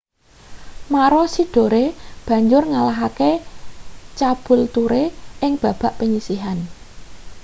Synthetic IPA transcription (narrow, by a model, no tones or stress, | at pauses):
maɾɔsiɖ̥o̤ɾeb̥ä̤ɲd͡ʒʊrŋalaɦake | t͡ʃab̥ʊ̤lt̪uɾeɪŋb̥a̤b̥a̤ʔpəɲisiɦan